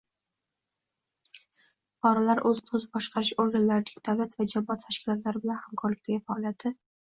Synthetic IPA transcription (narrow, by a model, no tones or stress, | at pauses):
pʰɒɾalaɾʔɵzq̪ʰozɪbɒʃqʰɑɾɪʃoɾɡanlaɾɪd̪aɡd̪avlat̪vad͡ʒabːɒt̪ʰaʃkʲɪlɒt̪ʰlaɾɪbɪlanhamkʰɒɾlɪk̚ʲt̪ʰaɡʲɪfaɒlijat̪ʰːɪ